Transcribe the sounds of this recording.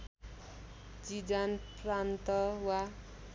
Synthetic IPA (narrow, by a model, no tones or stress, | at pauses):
d͡zid͡zanprant̪ʌwa